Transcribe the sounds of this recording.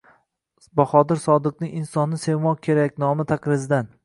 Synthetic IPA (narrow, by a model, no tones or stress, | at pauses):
bɒχɒd̪ɪɾsɒd̪ɨq̚nɪŋʲɪnsɒnːɪsemɒkʲʰe̞ɾakʲnɒmɪt̪ʰaqɾɪzɪd̪an